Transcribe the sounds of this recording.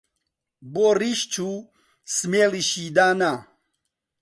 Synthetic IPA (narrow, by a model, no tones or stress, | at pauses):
boriʃt͡ʃʰu | smeliʃid̪ana